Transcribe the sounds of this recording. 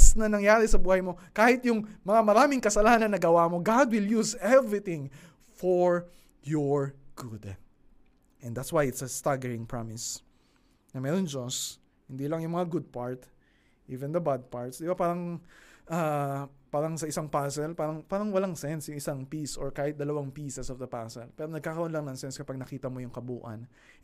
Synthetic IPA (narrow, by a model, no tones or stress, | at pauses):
snɐnɐŋjaːɾɪsɐbuːhɐjmo̞kaːhɪt̪jʊŋmɐŋamɐɾaːmɪŋkɐsɐlanɐnːɐɡɐwamo̞ɡad̪̚wɪljuzɛvɹɪt̪ɪ̃ŋ | foɹ | jɔɹɡ̥ʊd̪ | ʔɛ̃nd̪at̪swajɪt̪sɐst̪aɡɛɹɪŋpɹamɪs | nɐmɛːɾond͡ʒos | hɪnd̪iːlɐŋjʊŋmɐŋaɡʊd̪̚paɹt̪ | ʔiːvɛ̃nd̪ɐbad̪̚paɹt̪sd̪ɪbapaːɾɐŋʔapaːɾɐŋsɐʔɪsaŋpaːsɛlpaːɾɐŋpaːɾɐŋwɐlaŋsɛnsjʊŋɪsaŋpisɔɹkaːhɪt̪̚d̪ɐlɐwaŋpiːsɛsɔvd̪ɐpasɛlpɛːɾonɐɡ̚kaːkɐɾoʔonlɐŋnɐŋsɛnskɐpaɡ̚nɐkiːt̪ɐmojʊŋkɐbuːʔɐ̰n